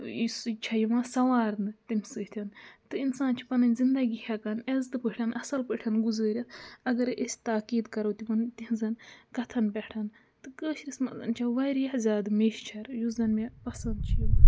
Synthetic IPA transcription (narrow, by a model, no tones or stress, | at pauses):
st͡ʃʰɐjimãːsɐʋaːɾnɨt̪imʲsɨːt̪ʰʲɐnt̪ɨinsaːnt͡ʃʰi̥pɐnɐnʲzind̪ɐɡʲihʰʲɐkɐnezt̪ɨpəʈʰɐnɐsɐlpəʈʰɐnɡuzəːɾʲɐt̪ʰɐɡɐɾesʲt̪aːkiːd̪kɐɾoːt̪ʲimɐnt̪iɦzɐnkɐt̪ʰɐnbʲɛʈʰɐn | t̪ɨkəːʃɾismɐzɐ̰nt͡ʃʰaʋɐːɾjɐhzʲaːd̪meːʃt͡ʃʰɐɾjuzd̪ɐnmepɐsɐnd̪̚t͡ʃʰi